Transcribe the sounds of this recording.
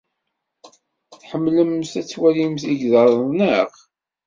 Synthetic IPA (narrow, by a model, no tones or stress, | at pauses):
θħəmːləmːsæt͡sːwælimθiʝðəɾˤnəʁ